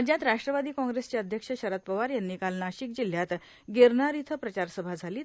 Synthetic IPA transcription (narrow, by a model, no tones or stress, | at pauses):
d͡ʑjãt̪ɾaʂʈɾəʋad̪iːkɔ̃ŋɡɾest͡ɕjaəd̪ʱjəkʂəɕəɾat̪̚pəʋaɾjanːiːkalnaɕik̚d͡ʑil̤jat̪ | ɡeɾnaɾit̪ʰəpɾət͡ɕaɾsəbʱad͡zʱaliː